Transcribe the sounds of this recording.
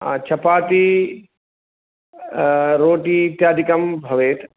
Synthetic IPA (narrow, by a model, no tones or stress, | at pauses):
a̰t͡ʃʰɐpaːt̪i | ɾoːʈiːt̪jaːd̪ikɐmbʱɐʋeːt̪